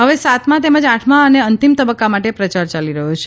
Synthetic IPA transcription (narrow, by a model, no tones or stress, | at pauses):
ɦəʋesat̪ʰmãt̪eməd͡ʒaʈʰmãəneənt̪imt̪əbəkːamaʈepɾət͡ʃaɾt͡ʃaliɾəɦũt͡ʃʰe